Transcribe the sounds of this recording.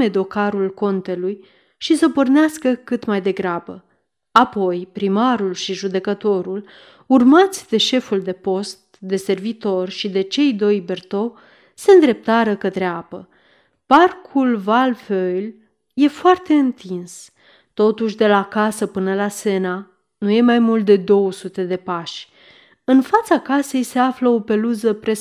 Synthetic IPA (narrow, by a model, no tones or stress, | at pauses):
e̞d̪o̞kaɾulko̞nt̪e̞luj | ʃisəpo̞rneaskəkɨt̪majd̪e̞ɡɾabə | apo̞jpɾimaɾulʃiʒud̪e̞kət̪o̞ɾul | urmat̪sʲd̪e̞ʃe̞fuld̪e̞po̞st̪̚d̪e̞se̞rvit̪o̞rʃid̪e̞t͡ʃe̞jd̪o̞jbe̞rt̪o̞ | se̞ɨnd̪ɾe̞p̚t̪aɾəkət̪ɾeapə | parkʰulvalføjl | je̞foart̪e̞ɨnt̪ins | t̪o̞t̪uʃ̬d̪e̞lakasəpɨnəlase̞na | nuje̞majmult̪̚d̪e̞d̪o̞wəsut̪e̞d̪e̞paʃʲ | ɨnfat̪sakase̞jse̞afləo̞pe̞luzəpɾe̞